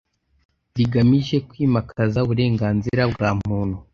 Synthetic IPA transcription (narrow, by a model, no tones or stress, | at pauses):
ɾiɡamiʒe̞kwiːmakʰazauβuɾe̞ːŋɡaːnziɾabɡaːm̥uːnhu